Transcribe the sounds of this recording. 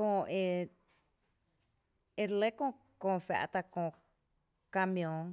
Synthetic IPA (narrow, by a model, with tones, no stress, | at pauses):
kõ˧ʔe˧ | e˧ɾle˦kõ˧ | kõ˧fa̰˧ʔt̪a˧kõ˧ | ka˧mjõ˧ŋ